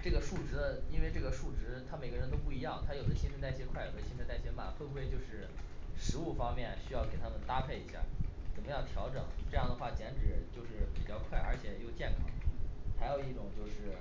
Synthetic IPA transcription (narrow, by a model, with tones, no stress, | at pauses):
ʈ͡ʂɤ˥˩ɡə˩ʂu˥˩ʈ͡ʂɻ̩˧˥d̪ə˧i˥nwe˥˧ɪʈ͡ʂɤ˥˩ɡə˩ʂu˥˩ʈ͡ʂɻ̩˧˥t̪ʰa˥me˨˩ɪɡə˦ɻə˧˥nt̪̬o˥ʊp̬u˥˩i˧˥jɑ˥˩ŋt̪ʰa˥jo˨˩ʊd̪ə˦ɕi˥nʂʰə˥˧t̪a˥˩ɪɕjɛ˧˥kʰwa˥˩ɪjo˨˩ʊd̪ə˦ɕi˥nʰ˥t̪a˥˩ɪɕjɛ˧˥ma̰˥˩fwə˥˧xwe˥˧ɪt͡ɕjo˥˧ʊʂɻ̩˥˩ʂɻ̩˧˥u˥˩fɑ˥ŋmjɛ˥˩nɕy˥jɑ˥˩ʊke˨˩ɪt̪ʰa˥mə˨nt̪a˥pʰe˥˩ɪi˧˩ɕja̰˥˩t͡sə˨˩nmə˦jɑ˥˩ʊt̪ʰjɑ˧˥ʊʈ͡ʂɤ˨˩˦ŋʈ͡ʂɤ˥˧jɑ˥˩ŋd̪ə˩xwa˥˩t͡ɕjɛ˧˥nʈ͡ʂɻ̩˨˩t͡ɕjo˥˧ʊʂɻ̩˥˩pi˨˩t͡ɕjɑ˥˧ʊkʰwa˥˩ɪʔə̰˞˧˥t͡ɕʰjɛ˨˩jo˥˧ʊt͡ɕjɛ˥˩nkʰɑ˥ŋxa˧˥ɪjo˨˩ʊi˥˩ʈ͡ʂʊ˨˩ŋt͡ɕjo˥˧ʊʂɻ̩˥˩